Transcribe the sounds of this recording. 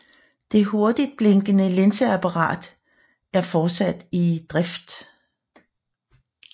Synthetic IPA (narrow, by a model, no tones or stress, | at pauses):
d̥e̝ɦo̝ɐd̥id̥̚b̥leŋɡ̥ənəlensəæpʰɑʁɑ̰̈ːd̥ | æɐfɒ̥ːsæd̥id̥ʁɛfd̥